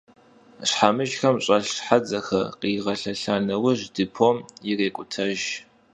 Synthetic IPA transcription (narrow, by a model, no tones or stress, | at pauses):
ɕħamɨʒxɐmɕʼɐɬħad͡zɐxɐ̰qiːʁɐɬɐɬaːnɐwɐʑdɨpʰoːmjɪreːkʷʼʊtʰɐʒ